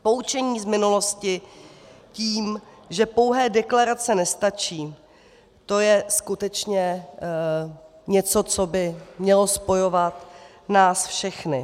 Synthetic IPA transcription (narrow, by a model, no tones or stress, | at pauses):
po̞ut͡ʃɛɲiːzmɪnulo̞scɪ | ciːmʒɛpo̞wɦɛːdɛklaɾat͡sɛnɛst̪at͡ʃiː | t̪o̞jɛskut̪ɛt͡ʃɲɛ | ɲɛt͡so̞t͡so̞bɪmɲɛlo̞spo̞jo̞vat̪ | naːsfʃɛxnɪ